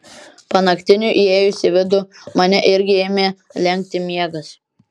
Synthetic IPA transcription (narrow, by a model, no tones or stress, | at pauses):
pɐnɐkt̪ʲɪnʲuʔieːjʊsʲɪʋʲɪd̪ʊmɐnʲɛʔɪɾʲɡʲɪeːmʲeːlʲɛŋʲk̚ʲt̪ʲɪmʲiɛɡɐs